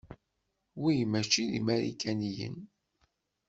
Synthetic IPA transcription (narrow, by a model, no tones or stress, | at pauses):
wijmæʃiðḭmæɾḭkʰænijə̰n